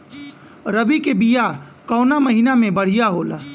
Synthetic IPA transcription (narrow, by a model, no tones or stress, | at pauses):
ɾəbikebijakɔːnaməɦinamẽbəɽ̤ijaɦoːla̰ː